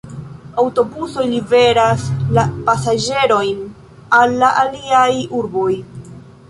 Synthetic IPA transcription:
awto̞buso̞jlibe̞ɾaslapasad͡ʒe̞ɾo̞jn | alːaʔaliajuɾbo̞j

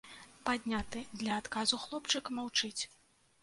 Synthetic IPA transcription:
pad̪ʲnʲat̪ɨd̪lʲɐːt̪kazuxlˠɔpt͡ʂɨkmawt͡ʂɨt͡sʲ

